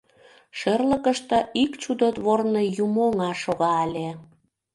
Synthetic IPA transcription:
ʃerləkəʃt̪ə̆ikt͡ɕud̪ot̪βornɤjumoŋɑʃoɣɑːlʲe

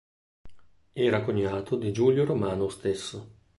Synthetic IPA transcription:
ɛːɾakoɲːaːt̪ʰod̪id͡ʒuːljoɾomaːnost̪esːo

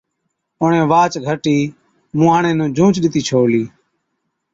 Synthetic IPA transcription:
ʊɳẽːʋaːt͡ʃɡʱəʈiː | mũːaːɳẽːnũːd͡ʒʱũːt͡ʃɗɪt̪iːt͡ʃʰoːliː

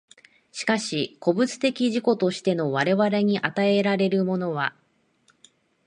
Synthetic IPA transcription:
ɕi̥kaɕiko̞bɯ̟t͡sɨ̥t̪e̞kʲiʑiko̞t̪o̞ɕi̥t̪e̞no̞βaɾe̞βaɾe̞ɲ̟iʔat̪ae̞ɾaɾe̞ɾɯ̟mo̞no̞βa

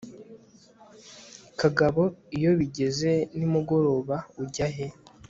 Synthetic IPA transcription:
kaɡaβo̞ijo̞βiɟe̞ze̞nimuɡo̞ɾo̞ːβauɟaɦe̞

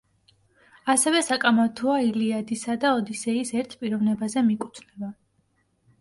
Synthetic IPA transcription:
asɛvɛsakʼamat̪ʰɔailiad̪isad̪aɔd̪isɛisɛɾt̪ʰpʼiɾɔvnɛbazɛmikʼut̪ʰnɛba

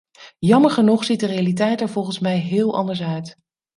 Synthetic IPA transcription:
jɑməɹχənuχsit̚dərejalitɛjtɛɹvɔlˠχənsmɛjɦɪːlˠʔɑ̰ndəɹsœɥt

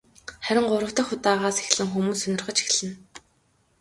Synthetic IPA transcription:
χæɾʲɪ̆ŋɢʊɾə̆w̥t̪ə̆xʊt̪aːʁaːse̥xɮɘ̆ŋxumuːsːɵnʲɪ̆rχə̆t͡ɕi̥x̆ɮɘ̆n

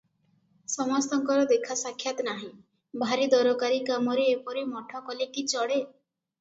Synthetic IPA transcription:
sɔmɔst̪ɔŋkɔɾɔd̪ekʰasakʰːjat̪ɔnaɦĩ | bʱaɾid̪ɔɾɔkaɾikamɔɾeːpɔɾimɔʈʰɔkɔlekit͡ʃɔɽe

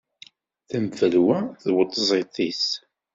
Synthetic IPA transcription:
θəmfəlwæθwət̪ˤːzˤet̪ˤis

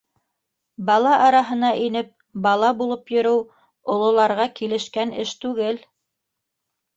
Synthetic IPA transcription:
bɑlˠɑʔɑɾɑɦɤ̆nɑʔinɘp̚ | bɑlˠɑbulˠɤpjɵ̆ɾɘw | ŏlˠŏlˠɑɾʁɑkilɘ̆ʃkænɘʃt̪ʉɡɘl

